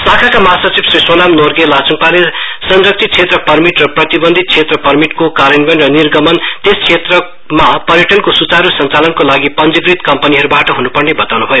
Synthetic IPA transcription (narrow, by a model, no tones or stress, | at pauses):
sakʰakamʌɦasʌt͡sibsrisonamnorɡelat͡suŋpalesʌnɾʌk̚t͡sʰit̪̚t͡sʰet̪rʌpʌrmiʈrʌprʌt̪ibʌnd̪ʱit̪̚t͡sʰet̪rʌpʌrmiʈkokaɾʌnbʌnrʌnirɡʌmʌnt̪eskʰet̪rʌ | mapʌɾjʌʈʌnkosut͡saɾusʌnt͡salʌnkolaɡipʌnd͡zʌɡrit̪kʌmpʌniɦʌɾubaʈʌɦunupʌrnebʌt̪awnubʱʌjo